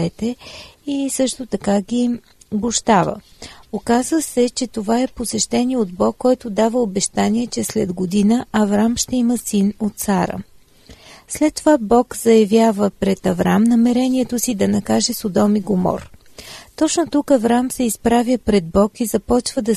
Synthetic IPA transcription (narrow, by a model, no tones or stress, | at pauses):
ɛt̪ɛisɤʃt̪ot̪ɐkaɡʲi | boʃt̪avə̰okazvəsɛt͡ʃɛt̪ovaɛposɛʃt̪ɛniod̪bɔkːɔjt̪od̪avəobɛʃt̪aniɛt͡ʃɛslɛd̪ɡod̪inəɐvɾamʃt̪ɛiməsinot̪saɾə̰ | slɛt̪ːovabɔkz̥ɐjɐvjavəpɾɛt̪ɐvɾamnɐmɛɾɛniɛt̪osid̪ɐnɐkaʒɛsod̪ɔmiɡomɔ̰ɾ | t̪ɔt͡ʃnot̪ukɐvɾamsɛispɾavjəpɾɛd̪̚bɔkizɐpɔt͡ʃvəd̪ɐ